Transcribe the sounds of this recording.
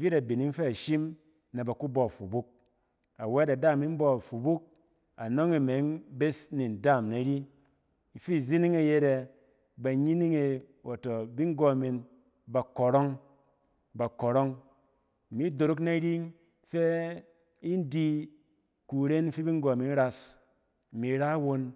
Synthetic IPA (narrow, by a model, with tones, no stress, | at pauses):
vi˦ɾa˨bi˨ni˦ŋ˦fe˦a˨ʃi˦m | na˨ba˨ku˦bo˨fu˨bu˦k̚ | a˨we˦da˨da˦˨mi˦m̩˦bɔ˦a˨fu˨bu˦k̚ | a˨no˦ŋi˨me˨˦ŋbe˦sni˨n̩˨da˦˨mna˨ɾi˦ | i˨fi˦˨zi˦ni˦ŋe˨je˧ɾe˧ | ba˨ɲi˦ni˦ŋe˧wa˨to˨bi˦ŋ˦ɡo˦˨mi˧n | ba˨ko˨ɾo˦ŋ | ba˨ko˨ɾo˦ŋ˨ | mi˨˦do˨ɾu˦kna˦ɾi˦ŋ | fe˦ | i˦n˦di˦ | ku˨ɾe˦n˦fi˦bi˦ŋ˦ɡo˨mi˨˦n˦ɾa˧s | mi˨˦ɾa˦wo˧n